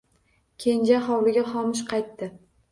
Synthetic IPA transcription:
kʲʰe̞nd͡ʒaχɒwlɪɡʲaχɒmɪʃ̬qʰɑjt̪ːɪ

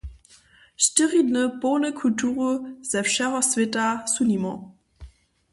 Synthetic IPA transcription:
ʃtəʁidnəponəkʰultʰuːʁəz̥ɛfʃɛʁɐsvɪtʼasunimɔ̰̃

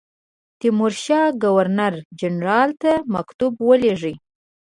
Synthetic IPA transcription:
t̪ɪmʊɾʃɑɡawaɾnaɾd͡ʒanɾɑlt̪amakt̪ubwəleʐi

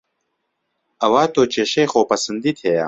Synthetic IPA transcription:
ɐwaːt̪ʰoːt͡ʃeːʃeːχoːpɐsɨnd̪it̪ʰeja̰

